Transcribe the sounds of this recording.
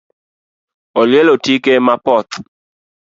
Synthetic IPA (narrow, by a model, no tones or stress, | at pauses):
ɔljɛlɔtikemapɔt̪